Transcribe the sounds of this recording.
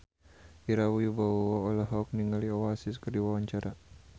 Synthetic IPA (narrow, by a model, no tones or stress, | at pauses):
iɾawujubaɔɔlaɦɔk̚niŋaliɔwasiskərdiwawaɲt͡ʃaɾʔa